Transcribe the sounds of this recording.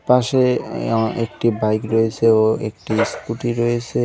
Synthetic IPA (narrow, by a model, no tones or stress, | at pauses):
paʃe | ek̚ʈibajkɾoet͡ɕʰeoḛk̚ʈiskuʈiɾoet͡ɕʰe